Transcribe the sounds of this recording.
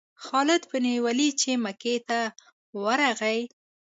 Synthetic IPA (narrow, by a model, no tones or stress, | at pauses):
xɑlɪd̪pənewalit͡ʃemaket̪a | wəɾaɣaj